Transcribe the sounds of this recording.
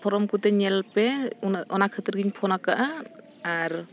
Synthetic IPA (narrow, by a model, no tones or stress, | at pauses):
pʰɔɾɔmkut̪ɛɲɛlpɛɔnakʰɯt̪iɾɡiɲpʰɔnakaʔaː | ɾ